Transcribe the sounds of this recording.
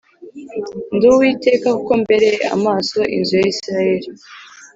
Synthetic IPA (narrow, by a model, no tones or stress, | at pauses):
nduwiːte̞ːkakuko̞mbe̞ɾe̞a̰maːso̞ʔḭnzujaisiɾaje̞ɾi